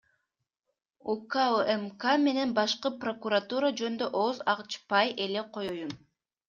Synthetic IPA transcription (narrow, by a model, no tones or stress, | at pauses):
ukaemkame̞ne̞nbɑʃqɯpro̞kuɾat̪uɾad͡ʒø̞nd̪øʔozɑʁt͡ʃpɑjʔe̞le̞qʰo̞jojun